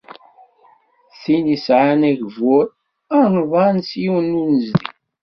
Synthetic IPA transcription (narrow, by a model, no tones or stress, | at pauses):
θinisʕanæʝvʊɾ | əɾˤnvˤɑnsjiwənːunəzd̪ḭ